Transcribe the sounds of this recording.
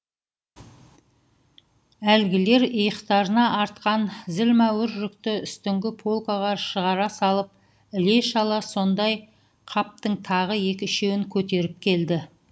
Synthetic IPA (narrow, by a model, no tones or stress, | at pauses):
ælɡʲɪle̞ɾəjəqt̪ɑɾənɑʔːɾt̪̚qɑnzɪlmæwɪɾʒʏkt̪ɪʏst̪ɪŋɡʲɪpʰolˠkaʁɑʃəʁɑɾɑsɑlˠəp̚ | ɪle̞ʃɑlˠɑso̞nd̪ɑj | qʰɑp̚t̪əɴt̪ʰɑʁəje̞kʲɪɪʃe̞wɪŋkʲʰɵt̪e̞ɾɪp̚kʲʰe̞ld̪ɪ